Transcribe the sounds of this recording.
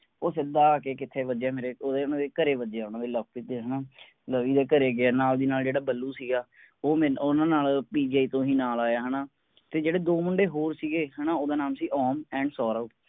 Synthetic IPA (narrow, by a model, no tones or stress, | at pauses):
oːsɪd̪aːkeːkɪt̪ʰːeːʋəd͡ʒaːmeːɾeːoːd̪eːʊnãːd̪eːkəɾeːʋəd͡ʒeaːʊnãːd̪eːlək̚pɪt̪ːeːɦənaː | ləʋiːd̪eːkəɾeːɡɪaːnaːld̪iːnaːld͡ʒeːɽaːbəlːuːsiːɡaː | oːmːonãːnaːlpiːd͡ʒaːiːt̪õːɦiːnaːlaːjaːɦənaː | t̪eːd͡ʒeːɽeːd̪oːmʊɳɖeːɦoːɾsiːɡeːɦənaːoːd̪aːnaːmsiːʔɔːmɛ̃ːɳɖsɔːɾəuː